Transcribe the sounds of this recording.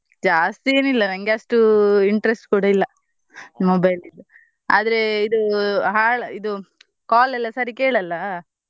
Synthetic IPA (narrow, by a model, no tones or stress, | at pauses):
d͡ʒaːst̪ie̞ːnilːɐnɐŋɡeɐsʈuiɳʈɐɾesʈkuːɽɐilːɐ | mobɐjlid̪u | a̰ːd̪ɐɾe̞id̪uɦaːɭid̪u | kaːlɛlːɐsaːɾike̞ːɭɐlːɐ